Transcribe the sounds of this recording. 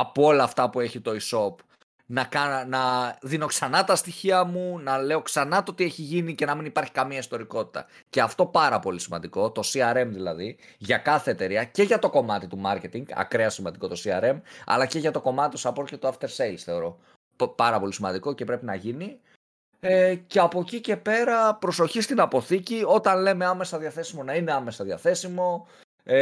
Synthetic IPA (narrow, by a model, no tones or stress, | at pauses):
ɐpoo̞lɐːft̪ɐpue̞çit̪o̞iso̞p | nɐkɐnɐðino̞ksɐnɐt̪ɐst̪içiɐmunɐle̞o̞ksɐnɐt̪o̞t̪ieçiʝinice̞nɐminipɐɾçi̥kɐmiɐist̪o̞ɾiko̞t̪i̥t̪ɐ̰ | ce̞ɐft̪o̞pɐɾɐpo̞lisimɐnd̪iko̞t̪o̞siɐɾe̞mðilɐðiʝɐkɐθe̞ːt̪e̞ɾiɐce̞ʝɐt̪o̞ko̞mɐt̪it̪umɐɾce̞t̪iŋɡɐ̰kɾeɐsimɐnd̪iko̞t̪o̞siɐɾe̞mɐ̰lɐce̞ʝɐt̪oko̞mɐt̪it̪osɐpoɾcet̪uɐft̪e̞ɾselsθe̞o̞ɾo̞ | pɐɾɐpo̞lisimɐnd̪iko̞ce̞pɾe̞pinɐʝini | eceɐpo̞cice̞pe̞ɾɐpɾo̞so̞çist̪inɐpo̞θicio̞t̪ɐnle̞meɐme̞sɐðiɐθe̞simo̞nɐine̞ɐme̞sɐðiɐθe̞simo̞